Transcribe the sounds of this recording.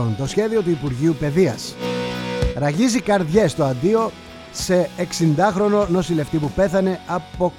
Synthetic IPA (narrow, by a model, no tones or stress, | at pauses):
ont̪o̞sçe̞ðio̞t̪uipuɾʝiupe̞ðiɐs | ɾɐʝizikɐɾðʝe̞st̪o̞ɐnd̪io̞ | se̞ːksind̪ɐxɾo̞no̞no̞sile̞ft̪ipupe̞θɐne̞ɐpo̞